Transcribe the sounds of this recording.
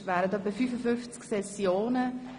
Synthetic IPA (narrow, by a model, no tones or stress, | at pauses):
ʋæːɾətdœpəfyːfəfʏnft͡sksɛsjoːnə